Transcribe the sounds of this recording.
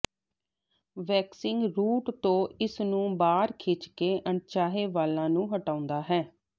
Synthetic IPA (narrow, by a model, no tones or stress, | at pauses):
ʋɛːksɪŋɡɾuːʈt̪õːɪsnũːbaːɾkʰɪːt͡ʃkeːʔəɳt͡ʃaːɦeːʋaːlːãːnũːɦəʈãːʊ̃nd̪aːɦɛː